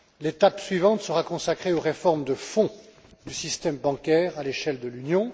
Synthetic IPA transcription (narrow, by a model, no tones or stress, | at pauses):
let̪apsɥivɑ̃t̪səʁakɔ̃sakχeoʁefɔʁmd̪əfɔ̃ | d̪ysist̪ɛmbɑ̃kʲɛʁaleʃɛld̪əlynjɔ̃